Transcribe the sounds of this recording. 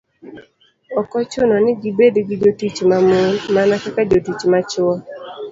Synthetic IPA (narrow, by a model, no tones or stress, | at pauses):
ɔkɔt͡ʃʊnɔnɪɡibedɡid͡ʒotit͡ʃmamonmanakakad͡ʒotit͡ʃmat͡ʃʊɔ